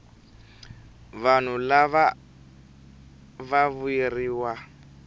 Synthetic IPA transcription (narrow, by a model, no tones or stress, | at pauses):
βan̤ulaβa | vaβueriːwa